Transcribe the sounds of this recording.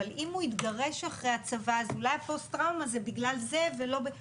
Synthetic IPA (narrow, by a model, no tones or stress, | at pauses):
alimhuit̪ɡaʁe̞ʃaχʁejat͡savaːzulajafost̪ʁawmazebiɡlalze̞velo̞be